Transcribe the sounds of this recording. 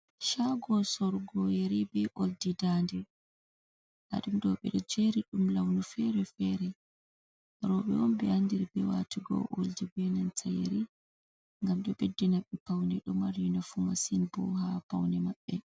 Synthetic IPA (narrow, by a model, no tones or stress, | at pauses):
ʃaɡɔsɔɾɡɔjeɾibɛʔoldidandɛ | ʔa̰ɗumdɔɓɛ̰ɗɔd͡ʒeɾiɗumlawnufɛɾɛfɛɾɛ | ɾɔɓɛ̰wɔnbɛandiɾbɛwa̰tiɡɔ̰ʔo̰ld͡ʒibɛnantajḛɾi | ŋɡamɗɔɓɛdːɛnaɓɛpawnɛɗɔmaɾjunafumasinbɔ̰ɦapawnɛmaɓːɛ